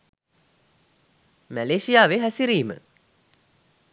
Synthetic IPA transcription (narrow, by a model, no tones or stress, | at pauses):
mæleːʃijaːʋeɦæsiɾiːmə̰